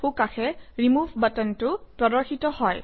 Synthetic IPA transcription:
xukaxɛɹimuvʱbatɔntʊpɹɔdɔɹxitɔhɔj

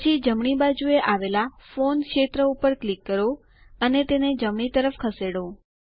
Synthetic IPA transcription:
t͡ʃʰid͡ʒəmɳ̃ibad͡ʒueʔaʋelafonkʃet̪ɾəupəɾklikːəɾo | ənet̪ened͡ʒəmɳ̃it̪əɾəfkʰəseɽo

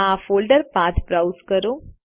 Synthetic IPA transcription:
afolɖəɾpãt̪ʰpɾawskəɾũ

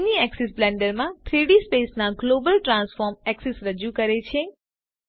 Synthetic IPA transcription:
niɛkses̬blɛ̃ɳɖəɾmãt̪ʰɾiɽispesnaɡlobəlʈɾãnsfɔɾmɛksesɾəd͡ʒukəɾet͡ʃʰe

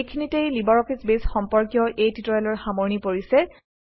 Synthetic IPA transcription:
kʰinitejlibɔɹɔfʰisbesxɔmpɔɹkjɔʔejtitɔjɛlɔɹxamɔɹnipoɹisɛ

